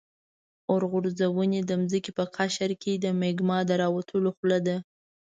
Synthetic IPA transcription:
ʊɾɣʊɾzawəned̪əmzəkepəqʰaʃaɾkʰed̪əmeɡmɑd̪əɾɑwat̪ʰəloxlad̪a

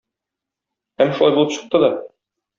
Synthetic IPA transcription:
æmːæʃulɑjbulˠɤpɕɤ̆q̚t̪ɤd̪ɒ

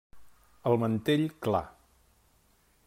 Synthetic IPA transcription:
əlˠmənt̪eʎkla̰

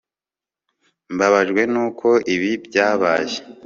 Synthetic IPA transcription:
mbaβaʒɡwe̞nuːkʰo̞ʔiβibɟaːβaːʒe̥

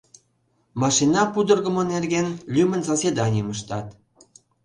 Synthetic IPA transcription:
mɑʃinɑpud̪ərɣə̆monerɣenlʲymənsosʲed̪ɑnʲiəməʃt̪ɑt̪

